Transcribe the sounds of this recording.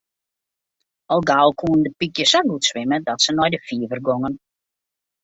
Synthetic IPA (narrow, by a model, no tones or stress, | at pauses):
ɔlˠɡaːlˠkʰuəndəpikjəsɔɡutsʋɪmədɔtsənɔjdəfiəvərɡɔŋən